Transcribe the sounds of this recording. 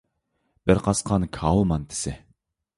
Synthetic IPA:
b̥ɪɾqɑsqʰɑnkʰɑlˠmɑnt̪ʰɪ̥sɪ

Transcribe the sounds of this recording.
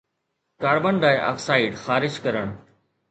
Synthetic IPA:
kaːɽbəɳɖaːeʔa̰ːfsaːɪɖxaːɾɪd͡ʒkɐɾəɽ̃

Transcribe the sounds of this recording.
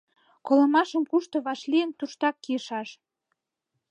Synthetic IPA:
koləmɑʃəmkuʃt̪ŏβɑʃliənt̪uʃt̪ɑkːijəʃɑʃ

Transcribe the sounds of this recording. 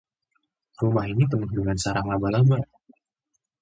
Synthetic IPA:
rumahinit̪̬əmuhduŋansaɾaŋlabalaba

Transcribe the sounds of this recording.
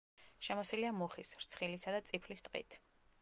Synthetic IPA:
ʃɛmɔsiliamuχisɾt̪sʰχilisad̪at̪sʼipʰlist̪ʼqʼḭt̪ʰ

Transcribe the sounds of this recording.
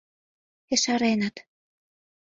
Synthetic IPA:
eʃɑɾenɑt̪

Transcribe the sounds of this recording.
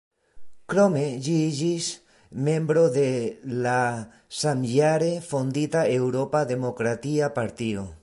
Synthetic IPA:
kɾomeʎieʒis | mẽmbɾoðela | samʎaɾefond̪it̪aewɾopaðemokɾat̪iapaɾt̪io̰

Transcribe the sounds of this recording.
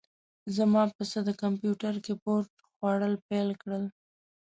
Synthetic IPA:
zamɑpəsəd̪əkampjuʈaɾkepoɾʈ | xwɑɽəlpelkɽəl

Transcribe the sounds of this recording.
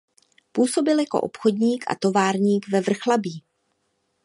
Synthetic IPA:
puːso̞bɪljako̞̰ʔo̰pxo̞dɲiːkʔa̰t̪o̞vaːɾɲiːkvɛvr̩xlabiː

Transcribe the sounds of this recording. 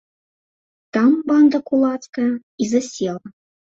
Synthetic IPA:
t̪ɑmbɑnd̪ɐkulˠɑt͡s̪kɐ | izɐsʲelˠɐ

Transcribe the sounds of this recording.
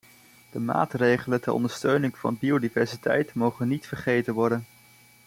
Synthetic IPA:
d̥əma̰ːtrejχələntərʔɔ̰ndəɹstøɥnɪŋvɑ̰nbiodivɛɹsitʰɛ̰jtmowχənːitfəɹχejtənʋɔɹdən

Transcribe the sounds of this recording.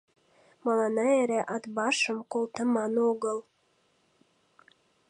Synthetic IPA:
mɑlɑnɑeɾeʔɑt̪bɑʃəmkolˠt̪əmɑnoɣəlˠ

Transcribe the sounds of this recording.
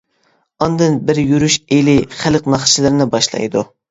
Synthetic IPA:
ɑnd̪ɨnbɪɾjyɾyʃeliχælˠqnɑχt͡ʃʰilˠɨɾnɪbɑʃlˠɑ̰jd̪ṵ

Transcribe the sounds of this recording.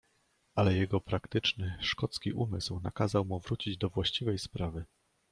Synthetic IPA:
alɛjɛɡɔpɾakt̪ɘt͡ʂnɘʂkɔt̪skʲiʔumɘswna̰kazawmuvɾut͡ɕid͡ʑd̪ɔvwaɕt͡ɕivɛjspɾavɘ

